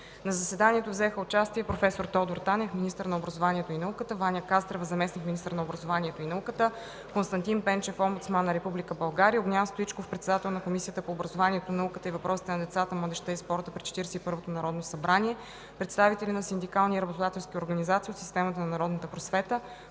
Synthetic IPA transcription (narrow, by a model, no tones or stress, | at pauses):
nɐzɐsɛd̪anʲiɛt̪ovzɛxəʊt͡ʃast̪iɛpɾofɛsoɾt̪ɔd̪oɾt̪anɛfminist̪əɾnɐobɾɐzovanʲiɛt̪oinɐukət̪əvanʲjəkast̪ɾɛvəzɐmɛsnikmʲinist̪əɾnɐobɾɐzovanʲiɛt̪oinɐukət̪ə | konst̪ɐnt̪inpɛnt͡ʃɛfɔmbut̪smanːɐɾɛpublʲikəbɐlˠɡaɾiəoɡnʲast̪oit͡ʃkofpɾɛt̪sɛd̪at̪ɛlˠnɐkomisiət̪əpoːbɾɐzovaniɛt̪onɐnɐukət̪əivɐpɾʔɔsi̥t̪ɛnɐd̪ɛt̪sat̪əmlˠəd̪ɛʃt̪aispɔɾt̪əpɾit͡ʃɛ̥t̪iɾsɛipɤɾvot̪onɐɾɔd̪nosɐbɾaniɛ | pɾɛt̪st̪avit̪ɛlʲinɐsind̪ikalˠniiɾɐbot̪od̪at̪ɛlˠsk̟ʲioɾɡɐnizat̪siːot̪si̥st̪ɛmət̪ənɐnɐɾɔd̪nət̪əpɾosvɛt̪ə